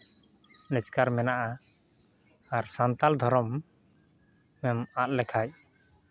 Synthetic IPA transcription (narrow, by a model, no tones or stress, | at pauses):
nɛskaɾmɛnaʔa | aɾsant̪ald̪ʱɔɾɔm | ɛmat̪̚lɛkʰac̚